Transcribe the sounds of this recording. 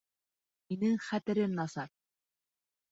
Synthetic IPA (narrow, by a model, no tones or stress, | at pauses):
inɘŋχæt̪ɘ̆ɾɘmnɑsɑɾ